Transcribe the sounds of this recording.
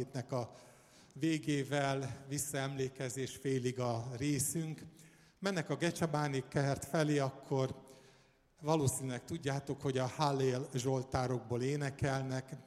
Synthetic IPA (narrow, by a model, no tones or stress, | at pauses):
eːt̪nɛkɒ | veːɡeːvɛlvisːɒɛmleːkɛzeːʃfeːliɡɒreːsyŋk | mɛnːɛkɒɡɛt͡ʃɒbaːnikɛrt̪fɛleːɒkʰːo̞r | vɒloːsiːnylɛkt̪uɟːaːt̪o̞kho̞ɟɒhaleːlʒo̞lt̪aːɾo̞ɡ̚boːleːnɛkɛlnɛk